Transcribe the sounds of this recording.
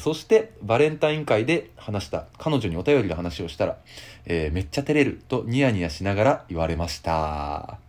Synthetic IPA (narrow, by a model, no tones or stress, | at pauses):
so̞ɕi̥t̪e̞baɾẽ̞nt̪aĩŋkaid̪e̞hanaɕi̥t̪akano̞ʑo̞ɲ̟io̞t̪ajo̞ɾʲid̪oɦanaɕio̞ɕi̥t̪aɾa̰eːme̞t͡ɕːat̪e̞ɾe̞ɾɯ̟t̪o̞ɲ̟iaɲ̟ijaɕinaɡaɾaiβaɾe̞maɕi̥t̪a̰